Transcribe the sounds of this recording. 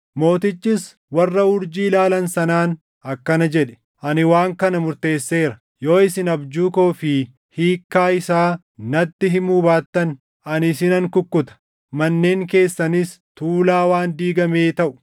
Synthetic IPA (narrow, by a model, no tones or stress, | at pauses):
mo̞ːt̪ɪt͡ʃːɪs | wɐrːɐʊɾd͡ʒiːlaːlɐnsɐnaːn | ɐkːɐnɐd͡ʒɛᶑɛ̥ | ʔɐnɪwaːŋkɐnɐmʊɾt̪e̞ːsːe̞ːɾɐ̥ | jo̞ːɪsɪnɐbd͡ʒuːkoːfɪ | hiːkːaːɪsaː | nɐt̪ːɪɦɪmuːbaːt̪ːɐn | ɐnɪsɪnɐŋkʊkːʊt̪ɐ̥ | mɐnːeːŋke̞ːsːɐnɪs | t̪uːlaːwaːnd̪iːɡɐmeːt̪ɐʔʊ̥